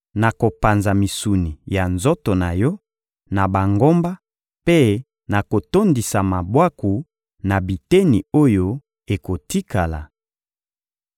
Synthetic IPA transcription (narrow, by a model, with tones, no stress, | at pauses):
na˨ko˨pa˨nza˨mi˨su˨ni˨ja˨nzo˦to˨na˨jɔ˦ | na˨ba˨ŋɡo˦mba˦ | pe˦ | na˨ko˨to˦ndi˨sa˨ma˨bwa˦ku˨ | na˨bi˨te˦ni˨o˦jo˦ | e˨ko˨ti˦ka˨la̰˨